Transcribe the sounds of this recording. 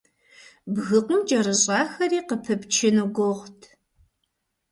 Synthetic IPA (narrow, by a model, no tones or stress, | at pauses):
bɣɨqʷʊmd͡ʒɐrɨɕʼɑːxɐɾiːqəpʰɨpt͡ʃʰɪnuɡʷʊʁtʰ